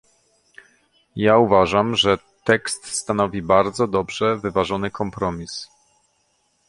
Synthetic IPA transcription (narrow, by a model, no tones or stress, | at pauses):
jauvaʐamʐɛ | t̪ɛkst̪st̪anɔvʲibaɾd̪zɔd̪ɔbʐɛvɘvaʐɔnɘkʰɔmpɾɔmʲis